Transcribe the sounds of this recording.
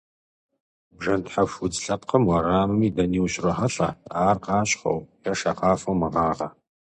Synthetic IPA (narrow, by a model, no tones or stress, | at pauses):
bʒɐntħafʊd͡zɬɐp̚qɐmwɐɾaːmɨmiːdɐniːwɕrɐħɐfa̰ːaːrqɑːɕʼχɐ̰wjɐʂɐqɑːfɐwmɨʁɑːʁɐ